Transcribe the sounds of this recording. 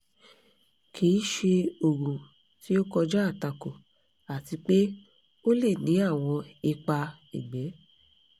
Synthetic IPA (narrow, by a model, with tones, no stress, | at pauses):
kʰi˨˦ʃe˧o˨ɡũ˨ | ti˦o˦kɔ˧d͡ʒa˦a˦˨ta˧ko˨ | a˨ti˧k͡pe˦ | o˦le˦˨nĩ˨˦a˦˨w̃ɔ̃˧i˧k͡pa˧ | ḭ˨ɡ͡bɛ˨˦